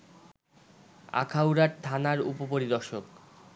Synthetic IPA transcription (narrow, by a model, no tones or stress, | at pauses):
a̰kʰawɾaɾt̪ʰanaɾupopoɾid̪ɔɾʃok